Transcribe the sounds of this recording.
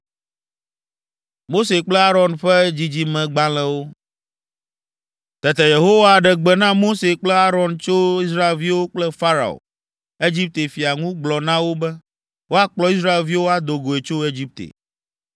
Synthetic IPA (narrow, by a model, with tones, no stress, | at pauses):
mo˦se˨k͡plɛ˦a˦ɾɔ˨nɸɛ˦d͡ʑi˦d͡ʑi˦mɛ̃˨ɡ͡bã˦lɛ̃˦wo˦ | t̪ɛ˨t̪ɛ˨je˨ɦo˦wa˦˨ɖɛ˨ɡ͡bɛ˨nã˦mo˦se˨k͡plɛ˦a˦ɾɔ˨nt͡ʃo˦i˦sɾa˦e˨lvi˦wo˦k͡plɛ˦fa˦ɾa̰˨o̰˨ | e˦d͡ʑi˦p̚t̪e˨fi˨a˨ŋũ˦ɡ͡blɔ˨nã˦wo˦bɛ˦ | wo˦a˦k͡plɔ˨˦i˦s̬ɾa˦e˨lvi˦wo˦a˨d̪o˨ɡo˨e˨t͡ʃo˦e˦d͡ʑi˦p̚t̪ḛ˨